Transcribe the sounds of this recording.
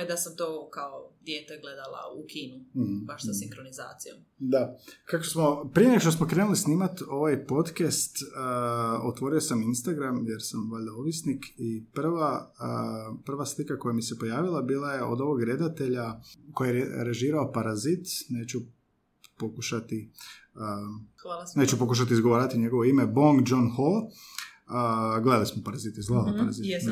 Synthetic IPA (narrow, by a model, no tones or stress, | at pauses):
id̪asamt̪oːkaod̪jeːt̪eɡle̞d̪alˠa̰ukiːnuhbaʃsasikɾoniza̰ːt̪sijom | d̪akakosmo̞pɾijeneɡoʃt̪osmo̞kɾeːnulisniːmat̪o̞ʋajpo̞d̪kest̪ː | ot̪ʋo̞ɾio̞saminst̪aɡɾamjeɾsamʋaʎd̪aoʋisnikʰiprʋa | prʋaslikako̞jamisepo̞jaːʋilˠabiːlˠaje̞ʔo̞̰d̪o̞ʋo̞ɡɾe̞d̪at̪e̞ʎakojaɾeʒiːɾaopaɾazit̪ne̞ːt͡ɕu | pokuʃat̪i | ə | ne̞ːt͡ʃupo̞kuʃ̬at̪izɡoʋaːɾat̪iɲe̞ɡo̞ʋo̞ime̞bo̞ŋɡd͡ʒonxol | ɡled̪alismopaɾazit̪izɡled̪alapaɾazit̪